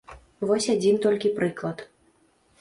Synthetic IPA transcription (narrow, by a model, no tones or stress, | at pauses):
vɔsʲad͡zʲint̪ɔlʲkʲipɾɨklˠɐt̪